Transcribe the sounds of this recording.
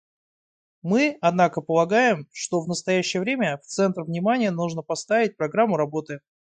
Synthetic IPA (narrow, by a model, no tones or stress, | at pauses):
mɨɐd̪nakəpəlˠɐɡajɪmʂt̪o̞vnəst̪ɐjæɕːɪjəvɾʲemʲəft̪sɛnt̪rvnʲɪmanʲɪjənuʐnəpɐst̪avʲɪt̚ʲpɾɐɡɾamːʊɾɐbo̞t̪ɨ